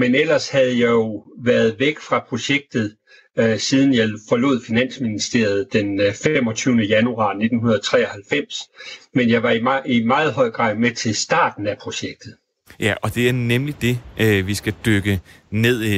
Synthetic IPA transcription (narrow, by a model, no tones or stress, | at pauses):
menel̰ɐshæð̞̩ˠjɑ̈ɪjo̝ʋæɐð̞̩ˠʋeɡ̥fʁɑ̈pʰʁo̝ɕeɡ̥̚d̥ð̞̩ˠ | siːð̞ˠn̩jɑ̈ɪfɒ̽lo̝̰ð̞̰ˠfinæn̰sminisd̥e̝̰ɐð̩ˠd̥enfemɒ̽t͡sʰyːʊnəjænuɑ̰̈ːne̝d̥n̩hunɐðˠɒ̽t͡sʰʁɛ̰ːɒ̽hælfem̰smenjɑ̈ɪʋɑ̈iimɑ̈ːð̞̩ˠɦɒ̽ɪ̰ɡ̥ʁɑ̰̈ːð̰ˠmet͡sʰe̝lsd̥ɑ̰̈ːd̥n̩æpʰʁo̝ɕeɡ̥̚d̥ð̩ˠ | jæɒ̽d̥e̝æɐnemlid̥e̝ʋisɡ̥æd̥øɡ̥əne̝ð̰ˠ